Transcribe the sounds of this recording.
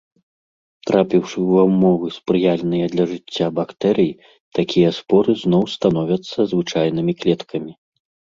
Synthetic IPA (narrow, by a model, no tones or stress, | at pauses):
t̪ɾapʲiwʂɨwamːɔvɨspɾɨjalʲnɨjɐd̪lʲɐʐɨt͡sʲːabakt̪ɛɾɨji | t̪akʲijɐspɔɾɨznɔwst̪anɔvʲɐt̪sːɐzvɨt͡ʂajn̪ɨmʲiklʲɛt̪kʰɐmʲi